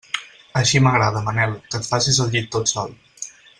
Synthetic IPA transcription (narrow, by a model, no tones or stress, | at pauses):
əʃiməɣɾaðəmənɛlˠkət̪fasizəlˠʎit̪ːot̪sɔ̰lˠ